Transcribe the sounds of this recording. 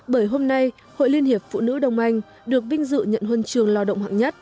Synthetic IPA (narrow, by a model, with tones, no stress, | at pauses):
ɓəː˧˩jɦo˧mna˧j | ho̰˧˨jli˧ənhi˨˩əp̚fṵ˧˨nɨ̰˧˥ɗə˨˩wŋ͡mʔa˧jŋ̟ | ɗɨ˨˩ək̚ɓï˧ŋ̟zɨ̰˧˨ɲə̰˧˨nhwə˧nt͡ɕɨ˨˩əŋlaː˧ɗə̰˧˨wŋ͡mhwa̰ː˧˨˩ŋɲə˦˥t̚